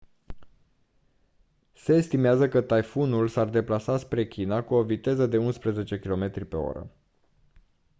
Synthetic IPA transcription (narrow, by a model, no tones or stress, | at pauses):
se̞ːst̪imeazəkət̪ajfunulsard̪e̞plasaspɾe̞kʲʰinakuo̞vit̪e̞zəd̪e̞unspɾeze̞t͡ʃe̞kʲilo̞me̞t̪ɾʲipe̞̰o̞̰ɾə̰